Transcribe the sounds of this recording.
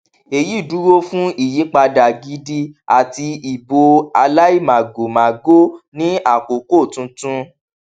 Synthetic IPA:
e˨ji˦˨du˨˦ɾo˦fũ˦i˦˨jĩ˨˦k͡pa˧da˨ɡi˧di˧a˨ti˧i˨bo˧a˧la˦i˦˨mã˨ɡo˨mã˨ɡo˦nĩ˦a˦˨ko˨ko˦˨tũ˧tũ˦

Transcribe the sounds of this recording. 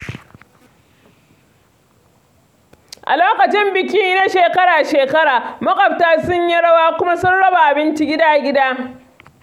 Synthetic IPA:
ʔa̰˨loː˦kɐ˨t͡ʃɪ˦mbɪ˨kʲɪ˦ŋ˦na˦ʃeː˨kɐ˦ɽaː˨ʃeː˨kɐ˦ɽaː˨mɐ˦kʼɐ˨ɸ̚taː˦sʊ˦ɲji˦ɽɐ˦waː˦kʷʊ˦ma˦sʊ˦nɽɐ˦ba˨ʔa˨bɪ˦nt͡ʃi˦ɡʲɪ˦daː˦ɡʲɪ˦daː˦

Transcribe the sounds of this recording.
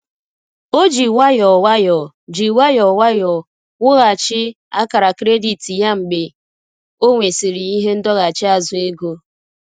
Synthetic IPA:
o˦d͡ʒi˨wa˦jɔ˨wa˦jɔ˨ | d͡ʒi˨wa˦jɔ˨wa˦jɔ˨ | ŋʷʊ˦ɣa˨t͡ʃɪ˦ | a˦ka˨ɾa˨kɾe˦di˨ti˨ja˦ŋ͡m̩˨ɡ͡bɪ˨ | o˦ŋʷe˨si˨ɾi˨i˦ɦe˦n̩˦dɔ˦ɣa˨t͡ʃɪ˦a˦zʊ˨e˦ɡo˦

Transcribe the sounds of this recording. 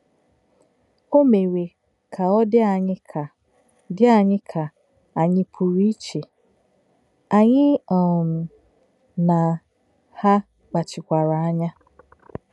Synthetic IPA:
o˦me˨we˨ | kʰa˨ɔ˦dɪ˦a˨ɲɪ˦ka˨ | dɪ˦a˨ɲɪ˦kʰa˨ | a˨ɲɪ˦pʰu˨ɾi˦i˦t͡ʃe˨ | a˨ɲɪ˦˨m̩˨ | na˨ | ha˦ | k͡pa˨t͡ʃɪ˨kʷa˨ɾa˨a˦ɲa˦

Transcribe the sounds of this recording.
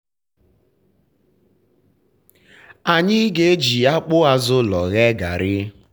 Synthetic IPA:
a˨ɲɪ˦ɡe˦d͡ʒi˨a˦k͡pʊ˦a˦zʊ˦lɔ˨ɣe˦ɡa˨ɾɪ˦

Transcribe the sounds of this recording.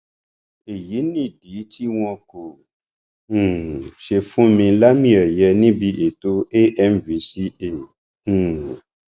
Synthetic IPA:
e˨ji˨˦nĩ˦˨di˨˦tʰi˦w̃ɔ̃˧ko˨˦˨ | ʃe˧fũ˦mĩ˧la˦mĩ˦ɛ˨ɾjɛ˧nĩ˦bi˧ʔe˨to˦e˦ʔɛ˦mvi˨˦si˦ẽ˦˨˦

